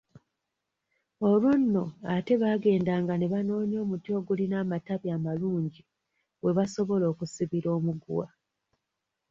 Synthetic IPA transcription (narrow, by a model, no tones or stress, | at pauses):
o̞lwonːo̞ate̞βaːɡe̞ːndaːŋɡaneβano̞ːnjo̞ːmutjo̞ːɡulinaːmataβjaːmaluːɲɟi | we̞βaso̞βo̞lo̞ːkusiβiɾo̞ːmuɡṵwa